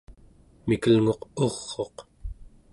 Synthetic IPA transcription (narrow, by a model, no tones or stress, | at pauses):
mikəlŋo̞qoʁːo̞q